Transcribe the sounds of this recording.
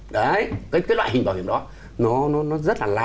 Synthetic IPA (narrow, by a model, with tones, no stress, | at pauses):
ɗə˨˦jkaː˨˦jkaː˨˦jlwa̰ː˧˨˩i˨˩ŋ̟ɓaː˨˩hḭ˨˧˨ənɗɔ˨˦ | nɔ˨˦nɔ˨˦nɔ˨˦zə˦˥t̚laː˨˩la̰˨˧